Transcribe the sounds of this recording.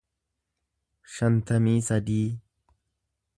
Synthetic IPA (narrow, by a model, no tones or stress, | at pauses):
ʃɐnt̪ɐmiːsɐd̪iː